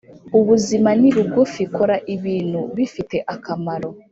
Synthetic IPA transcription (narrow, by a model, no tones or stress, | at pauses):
uβuzimaniβuɡufiko̞ɾaʔiβiːn̤̥huβifite̞ʔakamaɾo̞